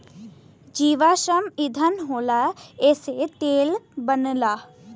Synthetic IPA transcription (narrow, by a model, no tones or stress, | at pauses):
d͡ʒiːʋaːʃəmid̪ʱənɦoːlaeːset̪eːlbənlaː